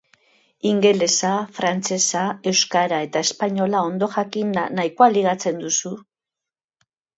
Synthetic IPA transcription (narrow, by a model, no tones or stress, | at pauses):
iŋɡe̞le̞safɾant͡se̞sae̞wskaɾae̞t̪ae̞spaɲo̞lao̞nd̪o̞ʝakinːaikoaliɣ̞at͡se̞nd̪usu